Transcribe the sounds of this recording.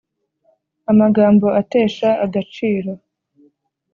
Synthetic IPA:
amaɡaːmbo̞ate̞ːʃaʔaɡat͡ʃiːɾo̞

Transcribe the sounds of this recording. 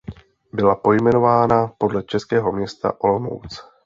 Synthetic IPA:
bɪlapo̞jmɛno̞vaːnapo̞dlɛt͡ʃɛskɛːɦo̞mɲɛst̪a̰ʔo̞lmo̞̰wt͡s

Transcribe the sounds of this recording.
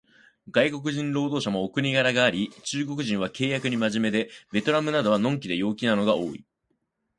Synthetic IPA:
ɡaiko̞k̬ɯ̟ʑĩnɾo̞ːd̪o̞ːɕamo̞ːkɯ̟ɲ̟iɡaɾaɡaːɾʲit͡ɕɨːɡo̞kɯ̟ʑĩɰ̃β̞ake̞ːjakɯ̟ɲ̟imaʑime̞d̪e̞be̞t̪o̞ɾamɯ̟nad̪o̞βanõ̞ŋk̬ʲid̪e̞jo̞ːkʲinano̞ɡao̞ːḭ

